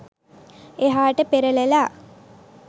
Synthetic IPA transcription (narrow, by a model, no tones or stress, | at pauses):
eɦaːʈəpeɾəlelaː